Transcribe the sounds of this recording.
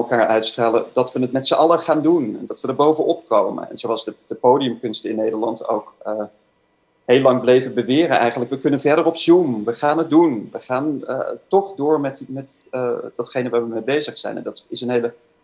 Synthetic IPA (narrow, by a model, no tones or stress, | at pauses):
ɛlˠkaːɹœɥtstraːlədɑtʋənətmɛtsəʔɑləχaːndunɛ̰ndɑtʋədəɹbowvəʔɔp̚kowmə̰nɛ̰nzoɑlˠzdəd̥əpowdijəmkɵnstɪnːejdəɹlɑnto̰wkə | ɦejlɑŋblejvəbəʋɪːrənʔɛ̰jχənləkʋəkɵnənvɛɹdərɔpzumʋəχaːnɦət̚dunʋəχaːn̰tɔχdʊːɹmɛtmɛtːdɑtχejnəʋaːɹʋəmebejzəχsɛ̰jnɛ̰ndɑtɪsənɦejlə